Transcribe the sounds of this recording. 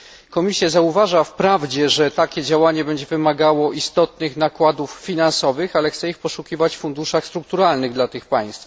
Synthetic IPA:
kɔmʲisʲjazauvaʐafpɾavd͡ʑɛʐɛt̪akʲɛd͡ʑawaɲɛbɛɲd͡ʑɛvɘmaɡawɔʔist̪ɔt̪nɘxnakwad̪uffʲinansɔvɘxalɛxt̪sɛixpɔʂukʲivat͡ɕfund̪uʂaxst̪ɾuk̚t̪uɾalnɘɣd̪lat̪ɘxpaj̃st̪f

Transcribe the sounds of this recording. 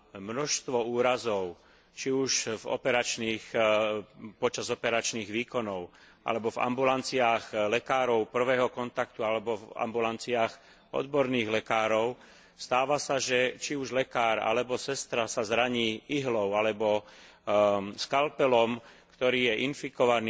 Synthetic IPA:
mnɔʃst̪ʋɔuːɾazɔʊ | t͡ʃiuʃvɔ̰pɛɾat͡ʃniːx | pɔt͡ʃazɔpɛɾat͡ʃniːɣʋiːkɔnɔʊ | ʔa̰lɛbɔva̰mbulant͡siaɣlɛkaːɾɔʊpr̩ʋɛːɦɔkɔnt̪akt̪ualɛbɔva̰mbulant͡siaːx | ɔ̰d̪bɔɾniːɣlɛkaːɾɔʊ | st̪aːʋasaʒɛt͡ʃiuʒlɛkaːɾa̰lɛbɔsɛst̪ɾasazɾaɲiːiɦlɔʊalɛbɔ | skalpɛlɔmkt̪ɔɾiːjɛʔinfikɔʋani

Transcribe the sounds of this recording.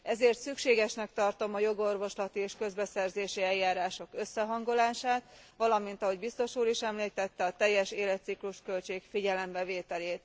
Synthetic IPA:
ɛzeːrt̪sykʃeːɡɛʃnɛk̚t̪ɒrt̪o̞mɒjo̞ɡo̞rvo̞ʃlɒt̪ieːʃkø̞zbɛsɛrzeːʃiɛjːaːɾaːʃo̞kø̞sːɛɦɒŋɡo̞laːʃaːt̪ | ʋɒlɒmint̪ɒɦo̞ɟbist̪o̞ʃuːɾiʃɛmliːt̪ɛt̪ːɛɒt̪ɛjːɛʃeːlɛt̪sikluʃkølt͡ʃeːkfiɟɛlɛmbɛveːt̪ɛleːt̪

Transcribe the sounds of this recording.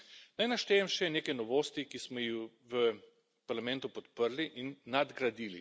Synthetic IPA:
najnaʃt̪ɛːjɛmʃɛneːkɛnɔʋoːst̪ikismɔji | ʋə | paɾlamɛ̃nt̪upɔt̪pəɾliʔinːad̪ɡɾad̪iːlḭ

